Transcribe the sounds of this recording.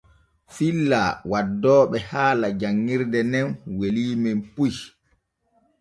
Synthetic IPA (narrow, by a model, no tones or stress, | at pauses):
filːawadːɔːɓɛhaːlad͡ʒaŋːiɾdɛnɛnweliːmɛmpuj